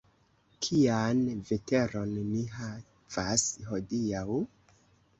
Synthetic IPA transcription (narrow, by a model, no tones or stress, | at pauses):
kʰijanvete̞ɾo̞nːiɦa | v̥asɦo̞diaw